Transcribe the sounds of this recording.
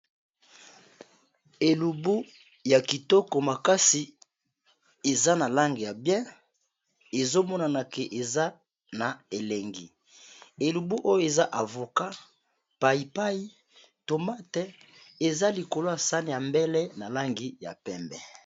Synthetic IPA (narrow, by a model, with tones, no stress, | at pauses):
e˨lu˨bu˦ | ja˨ki˨tɔ˦kɔ˨ma˨ka˦si˨ | e˨za˦na˨la˦ŋɡi˨ja˨bjɛ̃˦ | e˨zo˦mɔ˦na˨na˨ke˨ʔe˨za˦ | na˨e˨le˨ŋɡḭ˨ | e˨lu˨bu˦ʔo˦jo˦e˨za˦ʔa˨vo˨ka˦ | pa˨i˨pa˦i˦ | to˨ma˦tɛ˦ | e˨za˦li˨ko˨lo˦ja˨sa˦ni˨ja˨mbɛ˦lɛ˦na˨la˦ŋɡi˨ja̰˨pɛ˨mbɛ̰˨